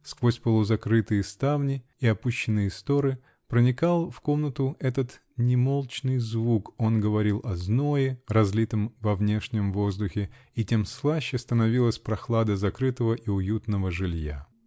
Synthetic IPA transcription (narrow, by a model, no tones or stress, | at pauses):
skvosʲpəlˠʊzɐkɾɨt̪ɨjɪst̪avnʲɪ | iɐpuɕːɪnːɨjɪst̪o̞ɾɨ | pɾənʲɪkalˠfko̞mnət̪ʊɛt̪ət̪ | nʲɪmo̞lˠt͡ɕnɨjzvuko̞nɡəvɐɾʲilˠʔɐznojɪrɐzʲlʲit̪əmvɐvnʲe̞ʂnʲɪmvo̞zd̪ʊxʲɪ | itʲe̞mslˠaɕːɪst̪ənɐvʲilˠəsʲpɾɐxlˠad̪əzɐkɾɨt̪əvəʔiʊjut̪nəvəʐɨlʲja̰